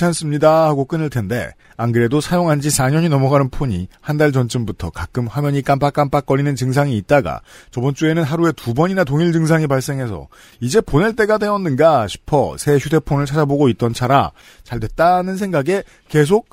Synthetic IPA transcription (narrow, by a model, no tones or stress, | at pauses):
ans͈ɯmɲidaɦaɡok͈ɯnɯɭtʰe̞nde̞̰ | aŋɡɯɾe̞dosʰajoŋɦand͡ʑisaɲʌɲinʌmʌɡanɯnpʰoɲḭhandaɭd͡ʑʌnt͡ɕ͈ɯmbutʰʌkak͈ɯmɸwamjʌɲik͈ampʰak͈ampʰak͈ʌɾinɯnt͡ɕɯŋs̬ʰaŋiːt̚t͈aɡa̰t͡ɕʌbʌnt͡ɕ͈ue̞nɯnɦaɾue̞tubʌɲinatoŋiɭd͡ʑɯŋsʰaŋipaɭs͈e̞ŋɦe̞sʰʌ̰ | id͡ʑe̞poneɭt͈e̞ɡade̞ʌnːɯnɡaɕʰi̥pʰʌ̰sʰe̞çjude̞pʰonɯɭt͡ɕʰad͡ʑaboɡoit̚t͈ʌnt͡ɕʰaɾa̰ | t͡ɕaɭdwe̞t̚t͈anɯnsʰe̞ŋɡaɡe̞ | ke̞s̬ʰok̚